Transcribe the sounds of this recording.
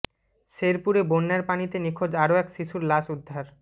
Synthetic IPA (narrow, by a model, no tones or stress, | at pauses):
ʃeɾpuɾebonːaɾpanit̪enikʰod͡ʑaɾoɛkʃiʃuɾlaʃud̪ʱːaɾ